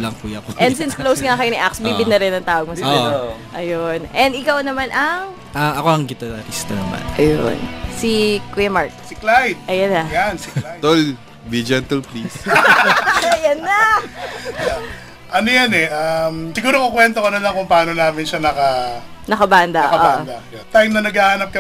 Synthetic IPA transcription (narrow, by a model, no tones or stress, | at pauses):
lɐŋkujɐkoʔɛnd̪sinsklowsŋakɐjoniʔaksbiːbɪd̪nɐɾɛnɐŋt̪aːwɐɡ̚mosɪɡaʔɐjonʔɛnd̪ɪkɐwnɐmanʔɐŋ | ʔɐɐko̞ɐŋɡɪt̪ɛɾɐɾist̪ɐnɐma̰nʔɐjo̰nsikujɐmaɹt̪̚sɪklajt̪̚ʔɐjɐnːɐjansiklajt̪ol | bid͡ʒɛnt̪ɐlplis | ɐjɐnːɐ | ja | ʔɐnojɐnɛʔamsɪɡuːɾokokwɛnt̪okɐnolɐŋkʊŋpɐaːnonaːmɪnʃanɐkɐ | nɐkɐband̪ɐʔɐʔand̪ɐ | t̪ajmnɐnɐɡaːhɐnɐp̚kɐ